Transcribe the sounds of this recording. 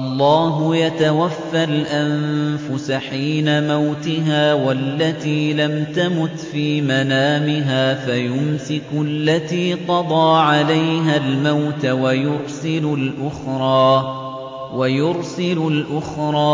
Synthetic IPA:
ʔɑlˤːɑːɦʊjat̪awafːalʔanfʊsaħiːnamawt̪ɪɦaːwalːat̪iːlamt̪amʊt̪fiːmanaːmɪɦaːfajʊmsɪkʊlːat̪iːqɑd̪ˤɑːʕalajɦalmawt̪awajʊɾsɪlʊlʔʊxɾˤɑː | wajʊɾsɪlʊlʔʊxɾˤɑː

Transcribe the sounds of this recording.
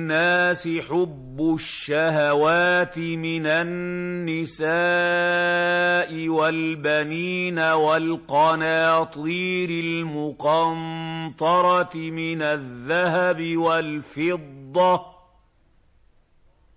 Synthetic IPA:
nːaːsɪħʊbːʊʃːahawaːt̪ɪmɪnanːɪsaː | ʔɪwalbaniːnawalqɑnaːt̪ˤiːɾɪlmʊqɑnt̪ˤɑɾˤɑt̪ɪmɪnaðːahabɪwalfɪd̪ˤːɑ

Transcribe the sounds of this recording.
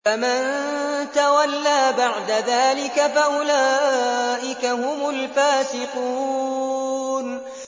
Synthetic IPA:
amant̪awalːaːbaʕd̪aðaːlɪkafaʔʊlaːʔɪkahʊmʊlfaːsɪquː | n

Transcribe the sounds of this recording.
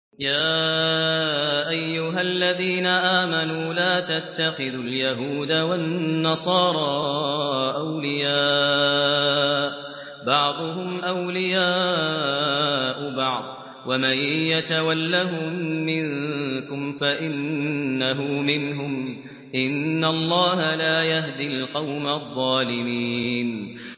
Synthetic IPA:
jaː | ʔajːʊɦalːaðiːnaʔaːmanuːlaːt̪at̪ːaxɪðʊljaɦuːd̪awaːɑsˤɑːɾˤɑː | ʔawlɪjaː | bɑʕd̪ˤʊɦʊmʔawlɪjaː | ʔʊbɑʕd̪ˤ | wamajjat̪awalːaɦʊːɪŋkʊmfaʔɪnːaɦʊmɪnɦʊm | ʔɪnːalˤːɑːhalaːjaɦd̪ilqɑwmaðˤːɑːlɪmiːn

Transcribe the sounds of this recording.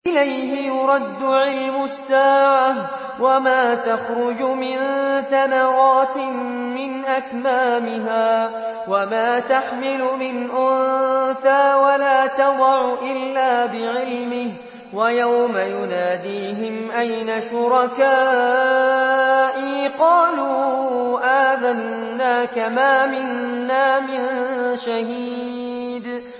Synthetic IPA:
ʔʔɪlajhɪjʊɾˤɑd̪ːʊʕɪlmʊsːaːʕa | wamaːt̪ɑxɾʊd͡ʒʊmɪnθamɑɾɑːt̪ɪ | mːɪnʔakmaːmɪɦaː | wamaːt̪aħmɪlʊmɪnʔʊnθaːwalaːt̪ɑdɑʕʊʔɪlːaːbɪʕɪlmɪh | wajawmajʊnaːd̪iːɦɪmʔajnaʃʊɾˤɑkaː | ʔiːqɑːluːʔaːðanː | aːkamaːmɪnːaːmɪnʃaɦiː | d̪

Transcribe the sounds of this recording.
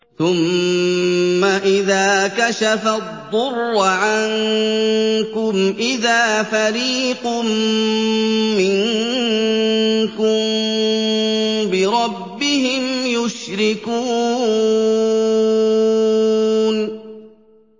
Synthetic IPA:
θʊm | aʔɪðaːkaʃafad̪ˤːʊrːʕan | kʊmʔɪðaːfaɾiːqʊm | ɪŋ | kʊ | bɪɾˤɑbːɪhɪmjʊʃɾɪkuː | n

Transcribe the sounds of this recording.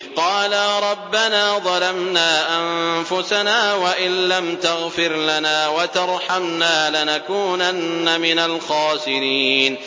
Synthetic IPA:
qɑːlaɾˤɑbːanaːðˤɑlamnaːʔamfʊsanaːwaʔɪnlamt̪aɣfɪɾlanaːwat̪ɑɾˤħamnaːlɪnakuːnanːamɪnalxɑːsɪɾiːn

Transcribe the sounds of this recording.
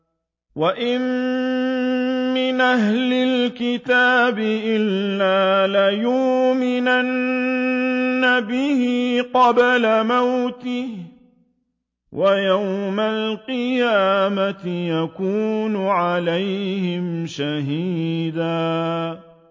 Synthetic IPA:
waʔɪm | mɪnʔaɦlɪlkɪt̪aːbɪʔɪlːaːlɪjʊːmɪnan | abɪhɪqɑblamawt̪ɪh | wʔajawmalqɨjaːmat̪ɪjakuːnʊʕalajhɪmʃaɦiːd̪aː

